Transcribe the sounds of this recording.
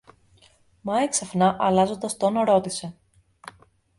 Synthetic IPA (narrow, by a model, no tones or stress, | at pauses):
mɐeksɐfnɐʔɐlɐzo̞nd̪ɐst̪onɐɾo̞t̪ise̞